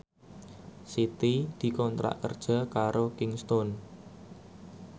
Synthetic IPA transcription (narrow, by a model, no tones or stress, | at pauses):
sit̪id̪̥i̤kɔnt̪ɾa̰ʔkərd̥ʒ̥a̤kaɾokɪŋst̪ɔn